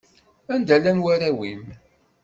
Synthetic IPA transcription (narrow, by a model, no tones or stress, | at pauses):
ænd̪ælːænwæɾæwim